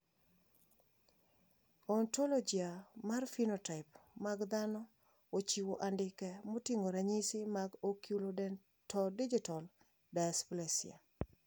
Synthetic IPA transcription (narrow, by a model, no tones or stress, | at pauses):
ɔntolod͡ʒiamarfinotaɪpmaɡd̪anɔ | ot͡ʃiwoʔandɪkɛmotiŋɡoɾaɲisimaɡokjulo | tɔdid͡ʒitɔl | dasplesḭa̰